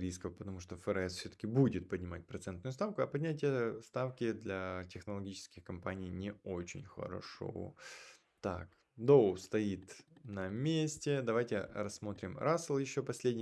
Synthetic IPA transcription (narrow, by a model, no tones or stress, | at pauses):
ɾʲiskəvpət̪ɐmuʂt̪ofəɾɛsfsʲɵt̪ə̥kʲɪbudʲɪt̪̚pədʲnʲɪmat̚ʲpɾɐt̪sɛnt̪nʊjʊst̪afkʊɐpɐdʲnʲætʲɪjəst̪afkʲɪd̪lʲɐtʲɪxnəlˠɐɡʲit͡ɕɪ̥skʲɪxkɐmpanʲijnʲɪot͡ɕɪ̰nʲxə̰ɾɐ̰ʂo̰ | t̪a̰k | d̪olˠst̪ɐit̪nɐmʲesʲtʲɪd̪ɐvajtʲɪrɐsːmo̞t̪ɾʲɪmɾʔaslˠjɪɕːo̞pɐsʲlʲedʲnʲɪ